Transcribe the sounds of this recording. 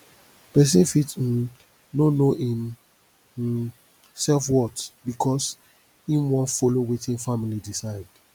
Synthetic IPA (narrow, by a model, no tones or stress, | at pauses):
pɛs̬ĩfitn̩ | nonoʔĩm | sɛlfwɔtbikʰɔs | ĩmwɔ̃nfolowetʰĩnfamilidisaɪd